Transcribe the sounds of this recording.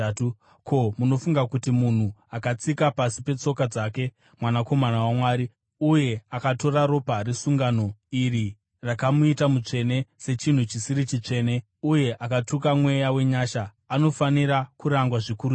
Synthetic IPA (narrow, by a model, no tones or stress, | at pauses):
kʰo̞muno̞fuŋɡakutimun̤uakat͡sikapasipe̞t͡so̞kad͡zake̞ | mwanako̞manawamwaːɾi | uje̞akato̞ɾaɾo̞parisuŋɡano̞iri | rakamuitamut͡ʂe̞ne̞se̞t͡ʃin̤ut͡ʃisiɾit͡ʃit͡ʂe̞ːne̞ | uje̞ʔakatukamwe̞jawe̞ɲaːʃaː | no̞faniɾakuɾaŋɡwaʐikuɾ